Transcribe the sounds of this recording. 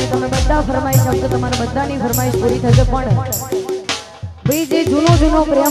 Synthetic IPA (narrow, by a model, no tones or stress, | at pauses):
et̪əmebəd̪ʱafəɾmaiʃəkt̪ət̪əmaɾabəd̪ʱanifəɾmaiʃpuɾit̪ʰəʃepəɳ | pɾid͡ʒed͡ʒunõd͡ʒunopɾe